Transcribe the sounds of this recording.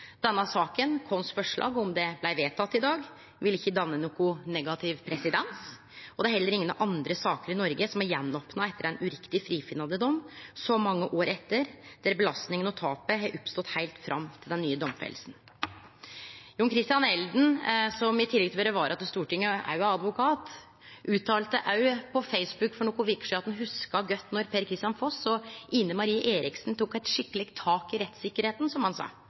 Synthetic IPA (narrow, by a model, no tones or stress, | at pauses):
d̪̥ɛnːɑsɑːkənkʰɔnsfɔʂɭʔɑ̰ːɡɔmd̪ɛblæɪʋeːt̪ʰɑt̪ːɪd̪ɑːɡ | ʋɪlɪçːəd̪ɑnːənuːkʊnɛɡɑt̪ʰɪʋpʰɾɛsɪd̪ɛns | ɔd̪ɛæɾhɛlːəɾɪŋənʔɑnd̪ɾəsɑːkəɾɪnɔɾɡəsɔmæɾjɛnːɔpnɑɛt̪ːəɾæɪnʉɾɪkt̪ɪfɾiːfɪnɑd̪əd̪ɔmːsɔmɑŋːəʔoːɾɛt̪ːəɾd̪̥æɾbəlɑst̪nɪŋənɔt̪ʰɑːpəɦɑɾʔɔpst̪ɔt̪hæɪlt̪fɾʔɑmːt̪ʰɪld̪ɛnːyːəd̪ɔmfḛlsn̩ | jʊːnkʰɾɪst̪ɪjɑnɛld̪n̩sɔmɪt̪ʰɪlɛɡt̪ʰːøːɾəʋɑɾʔɑt̪ːəst̪uːʈɪŋːəʔɑ̰ʉɑɑd̪ʋʊkʰɑːt̪ | ʔʉːt̪ʰɑːlt̪əʔɑʉpʰɔfɛɪsbʉkfɔɳɔːkʊʋɪkʂɑt̪nhʉskɑɡœt̪ːnɔɾpʰeːɾkʰɾɪst̪jɑnfɔsɔiːnəmɑɾiːəʔeːɾɪksnt̪ʰuːkæɪt̪ʂɪkːəlɪɡt̪ʰːɑːkɪɾɛt̪sɪkːəɾheːt̪n̩sɔmhɑnsɑ̰ː